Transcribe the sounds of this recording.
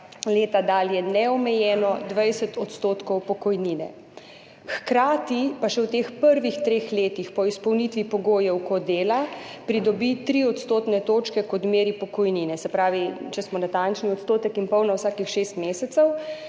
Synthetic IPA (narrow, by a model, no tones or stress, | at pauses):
leːt̪ad̪aːljɛnɛɔmɛjɛːnɔd̪ʋajsɛt̪ɔt̪st̪oːt̪kɔwpɔkɔjniːnɛ̰ | xkɾaːt̪ipaʃɛwt̪eːxpəɾʋixt̪ɾeːxleːt̪ixpɔispɔwnit̪ʋipɔɡoːjɛwkɔd̪eːlapɾid̪ɔbit̪ɾiɔt̪st̪oːt̪nɛt̪oːt͡ʃkɛkɔt̪meːɾipɔkɔjniːnɛsɛpɾaːʋit͡ʃɛsmɔnat̪ant͡ʃniɔt̪st̪oːt̪ɛkinpɔwnɔwsaːkixʃeːst̪meːsɛt̪sɛw